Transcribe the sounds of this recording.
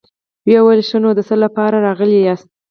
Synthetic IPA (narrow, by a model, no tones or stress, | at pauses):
wjawəlʃənod̪əsəlapɑɾaɾɑɣəlijɑs